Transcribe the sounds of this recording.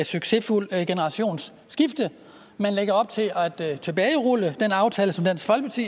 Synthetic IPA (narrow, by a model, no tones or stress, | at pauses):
syɡ̥se̝ful̰ɡ̥e̝nəʁɑ̈ɕo̝̰ːnsːɡ̥ifd̥ə | mænleɡ̥ɐɒ̽b̥̚t͡sʰe̝læd̥t͡sʰe̝b̥ɛːɪʁuləd̥enɑ̈ʊt͡sʰɛːləsɒ̽md̥æn̰sɡ̥fɒ̽l̰ɡ̥̚pʰɑt͡sʰḭː